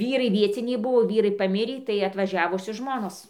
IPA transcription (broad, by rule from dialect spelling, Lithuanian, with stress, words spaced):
ˈʋʲiːrɐɪ ˈʋʲiɛt͡sʲɪnʲɛɪ ˈbʊʋoː ˈʋʲiːrɐɪ pɐˈmʲɪrʲiː tɐɪ ɐtʋɐˈʒʲæːʋʊsʲoːs ˈʒmoːnoːs